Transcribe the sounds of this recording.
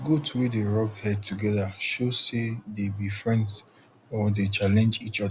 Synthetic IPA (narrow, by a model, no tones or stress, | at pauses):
ɡotʰuwideɹɔbhɛd̚tʰuɡɛðaʃosedebifɹɛ̃nd | ɔdet͡ʃalɛ̃nd͡ʒit͡ʃɔ